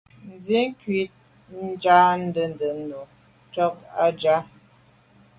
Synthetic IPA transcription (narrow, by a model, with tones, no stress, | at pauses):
n̩˨ze˦ŋ̩˦kɥi˦t̚ | n̩˦d͡ʒa˦n̩˦də˨ndə˨ndo˨ | t͡ʃɔ˦k̚a˦d͡ʒa˦